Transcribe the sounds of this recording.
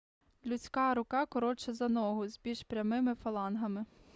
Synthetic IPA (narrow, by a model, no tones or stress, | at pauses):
lʲʊt͡sʲkɑɾʊkɑkɔɾɔt͡ʃɛzɐnɔɦʊzbʲilʲʃpɾʲɐmɪmɪfɐlˠɑnɦɐmɪ